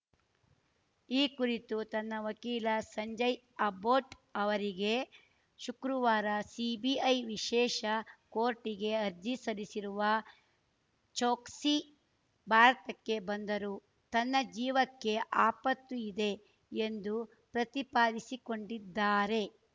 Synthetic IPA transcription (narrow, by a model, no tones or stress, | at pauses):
iːkuɾit̪ut̪ɐnːɐʋɐkiːlɐsɐɲd͡ʒɐj | ɐboːʈɐʋɐɾiɡe̞ | ʃukɾuʋaːɾɐsibiɐjʋiʃɛːʃɐkoːɾʈiɡe̞ɐɾd͡ʒisɐlisiɾuʋɐ | t͡ʃoːksi | bʱaːɾɐt̪ɐkːe̞bɐnd̪ɐɾu | t̪ɐnːɐd͡ʒiːʋɐkːe̞ʔaːpɐt̪ːuid̪e̞ | end̪u | pɾɐt̪ipaːd̪isiko̞ɳɖid̪ːaːɾe̞